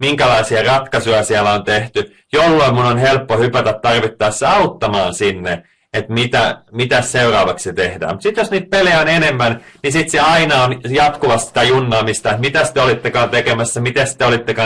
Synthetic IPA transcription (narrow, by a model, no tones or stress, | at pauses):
miŋkælɑisiɑrɑt̪kɑsujɑsiælæont̪eht̪y | jolːoimmunonhelpːohypæt̪æt̪t̪ːɑrʋit̪ːɑːssɑut̪ːɑmɑːnsinːe | et̪mit̪æmit̪æsseurɑːʋɑksset̪ehdæ̰ːmut̪sit̪josniːt̪̚peleæonenemːænnisit̪seɑinɑonjɑt̪kuʋɑst̪si̥t̪æjunːɑːmist̪ɑet̪mit̪æst̪eolit̪ːekɑːnt̪ekemæsːæmit̪est̪eolit̪ːekɑː